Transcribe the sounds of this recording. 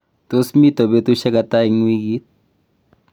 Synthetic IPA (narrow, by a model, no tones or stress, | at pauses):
t̪osmit̪ɔbet̪uʃakat̪aiŋwiɡit̪̚